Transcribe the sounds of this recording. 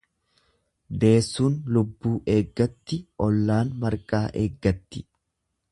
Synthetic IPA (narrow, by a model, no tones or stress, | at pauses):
d̪e̞ːsːuːnlʊbːuːʔe̞ːɡːɐt̪ːɪʔɔlːaːnmɐɾkʼaːʔeːɡːɐt̪ːɪ̥